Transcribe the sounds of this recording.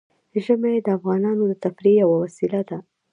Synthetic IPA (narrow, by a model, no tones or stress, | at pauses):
ʒəmajed̪əafɣɑnɑnod̪ət̪afɾijawawasilad̪a